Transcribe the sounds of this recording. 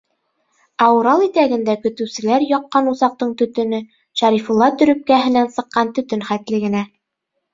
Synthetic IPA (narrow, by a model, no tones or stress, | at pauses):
ɑwɾɑlˠit̪æɡɘ̆nd̪ækɵ̆t̪ɵ̆wsɘ̆læɾjɒqːɑnuzɑq̚t̪ɤɴt̪ɵ̆t̪ɵ̆nɵ | ʃæɾifulˠːɑt̪ɵ̆ɾɵ̆p̚kæɦɘ̆nænsɤ̆qːɑnt̪ɵ̆t̪ɵnχæt̪lɘ̆ɡɘ̆næ